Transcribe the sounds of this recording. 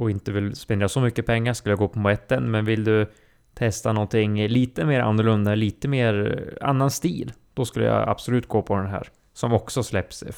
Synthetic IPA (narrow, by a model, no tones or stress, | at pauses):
ɔɪnt̪əvɪlspɛnd̪ɾjasɔmʏkːəpʰɛŋːaʂkɵləjaɡoːpʰɔmʊɛt̪ːənmɛnvɪld̪ɵ | t̪ʰɛst̪anɔnt̪ʰɪŋːliːt̪əmeːɾa̰nːʊɭɵnd̪aɛliːt̪əmeːɾa̰nːanst̪iːld̪̥ɔskɵləja̰a̰b̥sɔlʉ̟ːt̪̚ɡoːpʰɔd̪ɛnɦæ̰ːɾ | sɔmɔksɔslɛpːs